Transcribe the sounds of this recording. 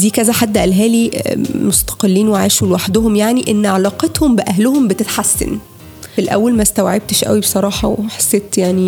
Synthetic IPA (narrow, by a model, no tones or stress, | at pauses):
d̪iːkæzæħad̪ːæʔælɦæːlimost̪ɑ̥qelːiːnweʕaːʃulwaħd̪ohomjaʕniʔenːʕalɑːqet̪hombeʔæɦlohombet̪et̪ħasːḛn | filʔæ̰wːælmæst̪æwʕeb̚t̪eʃʔæ̰wibesˤɑɾˤɑːħɑwħḁsːeːt̪jaʕni